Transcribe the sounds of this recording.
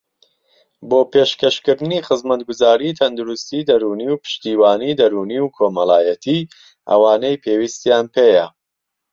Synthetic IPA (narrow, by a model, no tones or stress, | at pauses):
boːpʰeːʃkɐʃkɨɾd̪ɨniːχɨzmɐt̪ɡʊzaːɾit̪ʰɐnd̪ʊɾust̪iːd̪ɐɾuːniːwpɨ̥ʃt̪iːwaːniːd̪ɐɾuːniwkʰoːmɐlˠaːjɐt̪ʰiː | ʔɐ̰waːnejpʰewist̪jaːnpʰejɐ